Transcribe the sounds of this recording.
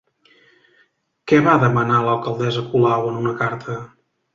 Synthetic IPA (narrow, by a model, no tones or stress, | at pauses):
kɛβaðəmənaləlˠkəlˠd̪ɛzəkulawənunəkaɾt̪ʰə